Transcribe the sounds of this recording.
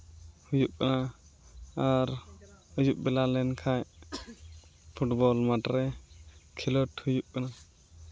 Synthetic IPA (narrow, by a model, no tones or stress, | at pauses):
hujup̚kana | aɾəjup̚bɛlalɛnkʰaj | pʰuʈbɔlmaʈɾɛkʰilɔʈhujup̚kana